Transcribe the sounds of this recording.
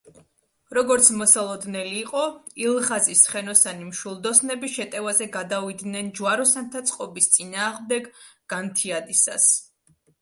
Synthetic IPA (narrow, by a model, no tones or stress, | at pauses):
ɾɔɡɔɾt̪sʰmɔsalˠɔd̪nɛliːqʼɔilˠʁazisχɛnɔsanimʃulˠd̪ɔsnɛbiʃɛt̪ʼɛvazɛɡad̪avid̪nɛnd͡ʒuaɾɔsant̪ʰat̪sʼqʼɔbist̪sʼinaːʁmd̪ɛɡɡ̥ant̪ʰiad̪isa̰s